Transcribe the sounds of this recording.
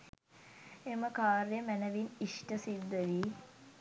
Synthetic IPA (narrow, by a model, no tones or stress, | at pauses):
eməkaːɾjəmænəʋiniʂʈəsid̪ːəʋi